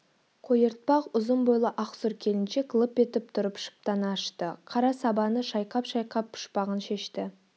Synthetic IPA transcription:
qʰojəɾt̪̚pɑqʊzənbojlˠəʔɑqsʊɾkʲʰe̞lɪnʃe̞klˠəpe̞t̪ɪp̚t̪ʰʊɾəpʃə̥p̚t̪ɑnɑːʃt̪əqʰɑɾɑsɑbɑnəʃɑjqɑpʃɑjqɑpʰːʊ̥ʃpɑʁənʃe̞ʃt̪ɪ

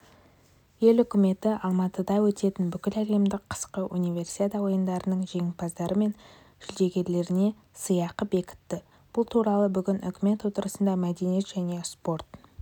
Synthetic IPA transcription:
je̞lʏkʲɪme̞t̪ɪʔɑlˠmɑt̪əd̪ɑwɵt̪e̞t̪ɪnbʏkʲɪlælemd̪ɪqʰə̥sqəʔunivʲe̞rsi̥t̪et̪awo̞jənd̪ɑɾənəɴʒe̞ŋpɑzd̪ɑɾəme̞n | ʒ̥ʏld̪e̞ɡʲe̞ɾle̞ɾɪne̞ | səjɑqəbe̞kʲɪ̥t̪ːɪ | b̥ʊlˠt̪ʰuɾɑlˠəbʏɡʲɪnʏ̰kʲɪme̞t̪wo̞t̪əɾəsənd̪ɑmæd̪enije̞t̪ʒ̥æne̞spo̞rt̪

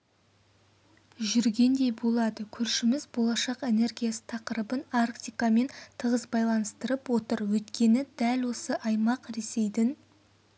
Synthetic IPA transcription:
ʒʏɾɡʲe̞nd̪e̞jbo̞lˠɑd̪əkʲʰʏɾʃɪmɪzbo̞lˠɑʃɑqe̞ne̞rɡʲijasə̥t̪ʰɑqəɾəbənarkt̪ʲijkame̞nt̪ʰəʁəzbɑjlˠɑnəst̪əɾəpwo̞t̪əɾwɵt̪kʲe̞nɪd̪ælwo̞səʔɑjmɑqɾe̞se̞jd̪ɪn

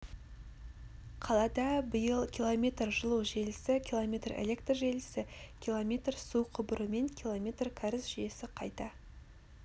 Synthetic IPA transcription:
qʰɑlˠɑd̪ɑbəjəlˠkʲʰilˠo̞mʲe̞t̪rʒəlˠuwʒe̞lɪsɪkʲʰilˠomʲet̪rḛle̞kt̪rʒe̞lɪsɪkʲilˠomʲe̞t̪rsuqʰʊbɾəme̞ŋkʲʰilˠomʲe̞t̪rkʲʰaɾɪsʒ̥ʏje̞sɪqʰɑjt̪ɑ

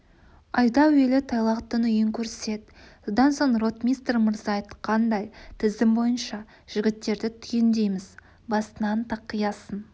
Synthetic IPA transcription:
ɑjd̪ɑwelɪt̪ʰɑjlˠɑqt̪ːənʏjɪŋkʲʰɵɾsɪ̥se̞d̪̚ | sod̪ɑnso̞ɴro̞t̪mʲist̪rməɾzɑjət̪qʰɑnd̪ɑjt̪ʰɪzd̪ɪmbo̞jənʃɑ | ʒ̥ɪɡʲɪt̪ːe̞ɾd̪ɪt̪ʰʏjend̪e̞jmɪz | bɑst̪ənɑnt̪ʰɑqːəjɑsən

